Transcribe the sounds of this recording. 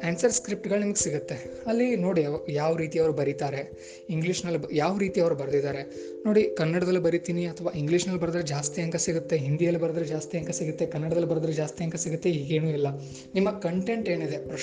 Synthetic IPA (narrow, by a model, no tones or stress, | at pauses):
aːnsɐɾskɾip̚ʈɡɐɭnimɐɡesiɡut̪ːe̞ɐlːino̞ːɽiɐjaːʋɐɾiːt̪iɐʋɐɾubɐɾit̪aːɾe̞ | iŋɡliːʂnɐlːjaːʋɐɾiːt̪iɐʋɐɾubɐɾd̪id̪aːɾe̞ | no̞ːɽikɐnːɐɽɐd̪ɐlːibɐɾit̪iːniɐt̪ʰɐʋaːiŋɡliːʂnɐlːbɐɾɐd̪ɾed͡ʒaːst̪ijɐŋkɐsiɡut̪ːe̞ɦind̪ijɐlːibɐɾɐd̪ɾed͡ʒaːst̪ijɐŋkɐsiɡut̪ːe̞kɐnːɐɽɐd̪ɐlːibɐɾɐd̪ɾed͡ʒaːst̪ijɐŋkɐsiɡut̪ːe̞ɦiːɡe̞ːnuːilːɐ | nimːɐkɐɳʈe̞ɳʈe̞ːnid̪e̞pɾɐʃ